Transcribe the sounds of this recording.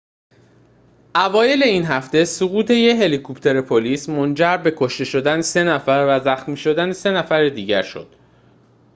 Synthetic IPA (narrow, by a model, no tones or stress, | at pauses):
ʔævɒːje̞le̞iːnɦæft̪e̞suɣuːt̪ʰe̞jeɦe̞likʰopʰt̪ʰe̞ɾepʰoliːsmond͡ʒæɾbe̞kʰo̞ʃt̪e̞ʃo̞d̪ænese̞næfæɾvæzæxmiːʃo̞d̪ænese̞næfæɾed̪iːɟæɾʃo̞̰d̪̥